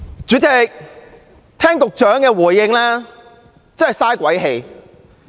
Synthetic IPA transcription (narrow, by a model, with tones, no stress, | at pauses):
t͡ʃyː˨˥t͡sɪ˨˧k̚ | t̪ʰɛː˥ŋt̪ʊ˨k̚t͡ʃœː˨˥ŋkɛː˧wuː˨˩jːɪ˧ŋlɛː˥ | t͡sɐ˥nhɐ˨jsaː˥jkʷɐ˨˥jɦe˧j